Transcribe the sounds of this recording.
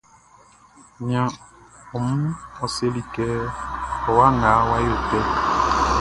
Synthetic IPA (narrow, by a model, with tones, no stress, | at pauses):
ɲã˨ɔ˨mu˦ɔ˨se˦li˨kɛː˦ɔ˨wa˦ŋa˨˦wa˦jo˨tɛ˦